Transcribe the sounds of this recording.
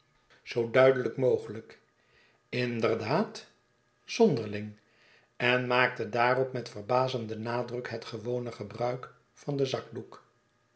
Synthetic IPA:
z̥owdœɥdələkmowχələk | ɪndərdaːt | z̥ɔndəɹlɪŋ | ɛnmaːk̚tədaːrɔpmɛtfərbaːzəndənaːdrɵkɦɛtχəʋownəχəbrœɥk | fɑndəzɑɡ̚duk

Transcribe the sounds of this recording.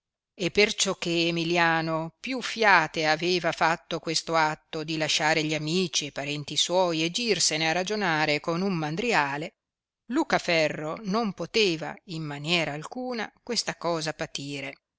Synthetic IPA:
epːert͡ʃɔk̟ːeːmiljaːnopjufːjaːt̪eaveːvafat̪ːokwest̪oat̪ːod̪ilaʃːaːɾeʎiamiːt͡ʃiepaɾɛnt̪iswɔːjed͡ʒ̪irsenearad͡ʒonaːɾekonumːand̪ɾiaːle | luːkafɛrːonompot̪eːva̰imːanjɛːɾaːlkuːna̰kwest̪akɔːzapat̪iːɾe

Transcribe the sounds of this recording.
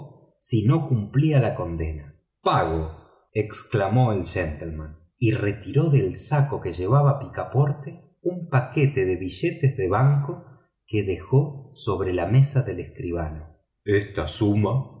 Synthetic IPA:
sino̞kumplialako̞nd̪e̞na | paɣo | eksklamo̞elʒent̪elman | ire̞t̪iɾo̞ðelsako̞keʒe̞β̞aβapikapo̞ɾt̪e | umpaket̪e̞ðe̞βiʒet̪ezðe̞βaŋko | keðe̞xo̞so̞βɾe̞lame̞saðe̞leskɾiβ̞ano | est̪asuma

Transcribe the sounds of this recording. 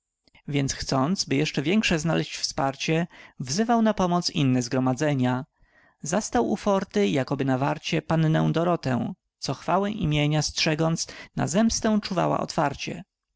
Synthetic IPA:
vʲjɛnt̪sxt̪sɔnt̪sbɘjɛʂt͡ʂɛvʲjɛŋkʂɛzna̰lɛɕt͡ɕfspaɾt͡ɕɛvzɘvawnapɔmɔt̪sinːɛzɡɾɔmad̪zɛɲa | zast̪awṵfɔɾt̪ɘjakɔbɘnavaɾt͡ɕɛpanːɛ̃w̃d̪ɔɾɔt̪ɛw̃ | t̪sɔxfawɛʔimʲjeɲastʂɛɡɔnt̪sna̰zɛmst̪ɛw̃t͡ʂuva̰wa̰ʔɔ̰t̪faɾt͡ɕɛ̰

